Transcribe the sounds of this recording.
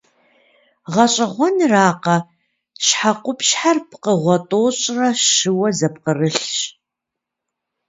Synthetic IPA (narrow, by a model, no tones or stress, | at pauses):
ʁɐɕʼɐʁʷɔnraːqɐ | ʃħaqʷʊpʃħarpʰqəʁʷɔtʼoːɕʼrɐʃɨwɐzɐp̚qərɨɬɕʼ